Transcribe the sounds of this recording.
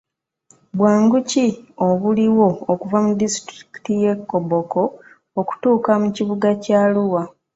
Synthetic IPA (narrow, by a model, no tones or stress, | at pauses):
βwaːŋɡucioβuliwo̞ːkuvamudistɾiki̥tije̞kːoboko̞ | oku̥tuːkamuciβuɡacaluwa